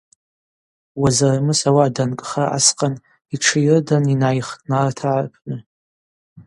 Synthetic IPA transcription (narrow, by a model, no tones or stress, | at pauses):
wazaramɨsawaːdankʼχaʔa̰sqʼan | iʈ͡ʂʰɨjrdaninajχtʼnartʰaʕarpʰnɨ